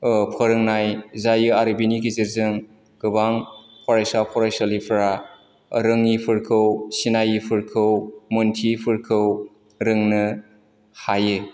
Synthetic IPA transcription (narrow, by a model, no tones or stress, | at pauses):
pʰɯɾɯŋnajzajɯaɾɯbinikiziɾzɯŋ | ɡɯbaŋ | pʰɔɾajsapʰɔɾajsalipʰɾa | ɾɯŋipʰɯɾkʰɯwsinajipʰɯɾkʰɯwmɯntʰipʰɯɾkʰɯw | ɾɯŋnɯ | hajɯ